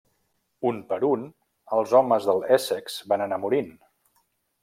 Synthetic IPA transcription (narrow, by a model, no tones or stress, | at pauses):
unpəɾun | əlˠzɔməzðəlˠɛsɛkz̥banənamuɾin